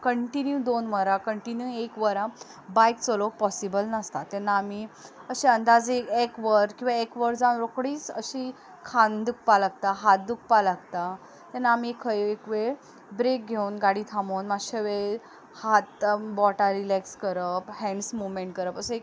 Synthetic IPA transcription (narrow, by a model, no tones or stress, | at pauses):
kəɳʈinjud̪onʋəɾakəɳʈinjuekʋəɾã | bajk̚t͡solopɔsibəlnəst̪at̪ɛnːaːmiəɕiənd̪ad͡zeekʋəɾkĩw̃ʋaekʋəɾd͡zanɾokɽiːt͡sə̰ɕi | kʰãnd̪uk̚palaɡ̚t̪aɦat̪̚d̪uk̚ʰpalaɡt̪a | t̪anːaːmiekʰəekʋe | bɾek̚ɡʱeunɡaɽiːt̪ʰamownmaɕəʋe | hat̪bɔʈaɾilɛkskəɾəphɛ̃nsmumẽɳʈ̚kəɾəpəsəek